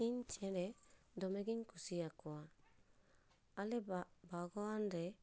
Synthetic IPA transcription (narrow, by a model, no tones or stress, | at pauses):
iɲt͡ʃɛnɛ | dɔmeɡiɲkusiakoa | alɛbaɡɔandɛ